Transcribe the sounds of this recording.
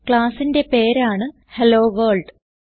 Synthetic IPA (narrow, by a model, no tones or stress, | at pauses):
kɭaːsinde̞pe̞ːɾaːɳɨ | heloːʋoːɭɖ